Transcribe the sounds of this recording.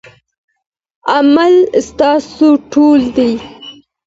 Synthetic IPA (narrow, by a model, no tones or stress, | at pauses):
amalst̪ɑsoʈold̪aj